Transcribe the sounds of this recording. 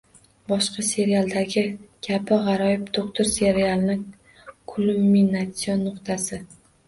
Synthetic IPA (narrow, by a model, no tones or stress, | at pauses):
bɒʃqɑse̞ɾijalˠd̪aɡʲɪɡ̥ʲʰabɪʁɑɾɒjɪpt̪ʰoqt̪ʰʊɾse̞ɾialˠnɪŋ | kʰulˠumːinat̪sijonːʊqt̪ʰasɪ